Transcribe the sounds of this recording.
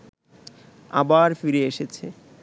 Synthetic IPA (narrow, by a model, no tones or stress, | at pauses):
a̰baɾfiɾeeʃet͡ɕʰe